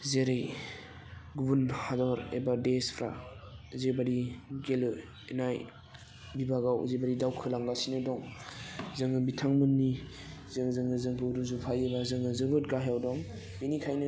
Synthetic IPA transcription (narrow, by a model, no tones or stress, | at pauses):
zeɾej | ɡubunhadɔɾḛbadespʰɾa̰zebaɾiɡelɯ | enaj | bibaɡawzebaɾidawkʰɯlaŋɡasinɯdɔŋ | zɯŋɯbitʰaŋmɯnːizɯŋzɯŋɯzɯŋkʰɯɾuzupʰajebazɯŋɯzɯbɯt̚ɡaɦjawdɔŋ | binikʰajnɯ